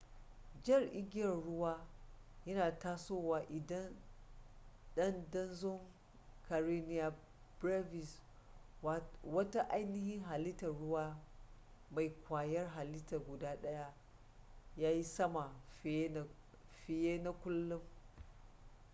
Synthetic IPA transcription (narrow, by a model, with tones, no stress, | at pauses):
d͡ʒɪ˦˨rʔɪ˦ɡʲɪ˦jɐ˨nɽʊ˦waː˦ | jɐ˦naː˨taː˦soː˦waː˨ʔɪ˨dɐ˦n | ɗɐ˦ndɐ˦nzʊ˦ŋ | ka˨ɾi˦nɪ˦ja˨ | bɾa˦vɪ˨s | wɐ˦ta˦ʔa˦jnɪ˦hɪ˦ŋɦa˨lɪ˦tɐ˨ɽʊ˦waː˦ | ma˨jkʷaː˨jɐ˦rɦa˨lɪ˦ta˨ɡʷʊ˨daː˦ɗɐ˦ja˦ | jaː˦ji˦sɐ˦ma˨˦ | ɸɪ˨jeː˦na˦kʷʊ˦lːʊ˦m